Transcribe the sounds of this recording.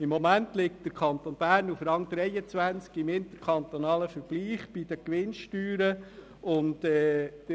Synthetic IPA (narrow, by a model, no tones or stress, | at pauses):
ɪmːomæntlɪk̚td̥əɾkʰχɑnt̪onb̥æːɾnufɾɑŋd̥̪ɾɛɪjət͡sʋænt͡skɪmɪnt̪əɾkʰɑnt̪onɑːləfəɾb̥liːχb̥id̥̪əkʋɪnʃtyːɾə | ʊntɛ̥ː